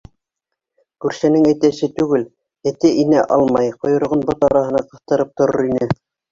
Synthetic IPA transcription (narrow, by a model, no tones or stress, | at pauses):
kʉɾʃænɘŋæt̪æʃɘt̪ʉɡɘl | æt̪æʔinæʔɑ̰lˠmɑjqŏjŏɾ̆ʁɤnbot̪ɑɾɑɦɤ̆nɑqɤ̆θt̪ɤ̆ɾɤp̚t̪ŏɾoɾinɘ